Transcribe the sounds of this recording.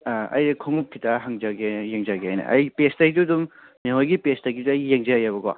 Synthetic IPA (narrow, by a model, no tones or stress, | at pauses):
ɐ̰jkʰoŋup̚kʰitaɦaŋd͡ʒaɡejeŋd͡ʒaɡeajnɐ̰ʔɐ̰jpestaɡidudumniɦɔjɡipestaɡiduɐjːeŋd͡ʒajabɐɡa̰